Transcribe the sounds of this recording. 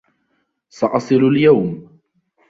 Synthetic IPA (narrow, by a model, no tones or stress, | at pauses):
sɑʔɑsˤɨɾaljawm